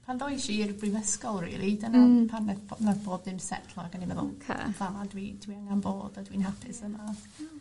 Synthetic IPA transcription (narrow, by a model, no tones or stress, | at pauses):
pʰanðɔjʃirbrɪvəskɔlˠrḭlˠidənapʰanɛnaθb̥oːddɪnsɛ̰tʰlˠɔaɡənimɛðʊ̰lˠkʰpʰlˠamadwid̥wiəŋanboːdadwinhapʰɪsəmaθ